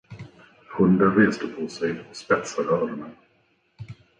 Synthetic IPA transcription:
hɵnd̪aɾeːsd̪əpʰɔsɛjɔkspɛt̪saɾœːɾəɳa

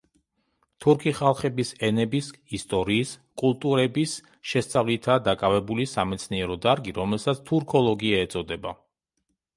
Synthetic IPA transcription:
t̪ʰuɾkʰiχalˠχɛbisɛnɛbisist̪ʼɔɾiːskʼulˠt̪ʼuɾɛbis | ʃɛst̪sʼavlit̪ʰad̪akʼavɛbulisamɛt̪sʰniɛɾɔd̪aɾɡiɾɔmɛlˠsat̪sʰt̪ʰuɾkʰɔlˠɔɡiaɛt̪sʼɔd̪ɛba

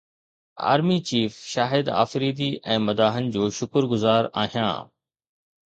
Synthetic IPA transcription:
a̰ːɾmit͡ɕiːfʃaːɦɪd̪a̰ːfɾiːd̪iɛ̃ːmɐd̪aːɦənɪ̆d͡ʑoːʃʊkəɾɡʊzaːɾa̰ːɦijã̰ː

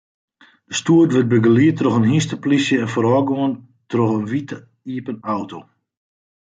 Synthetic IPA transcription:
d̥əstuətʋɪt̚bəɡəliətroxənɦistəplisjəɛnfɔɾɔːɡoən | troxənʋit | iəpənawtʰo

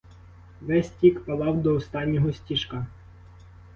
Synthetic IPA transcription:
ʋɛsʲtʲikpɐlˠɑwd̪ɔɔst̪ɑnʲːɔɦɔsʲtʲiʃkɑ

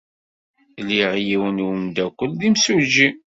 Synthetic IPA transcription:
liʁjiwənwəmd̪ækʷːəlðimsud͡ʒi

